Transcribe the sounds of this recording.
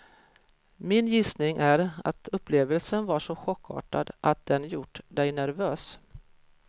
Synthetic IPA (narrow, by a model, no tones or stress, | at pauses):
mɪnjɪsnɪŋʔæɾa̰t̪ʰɵpːleːvəlsənvaʂɔɧɔkʰːɑ̰ːʈad̪ʔat̪̚d̪ɛnjʊʈːd̪ɛjnæɾvøːs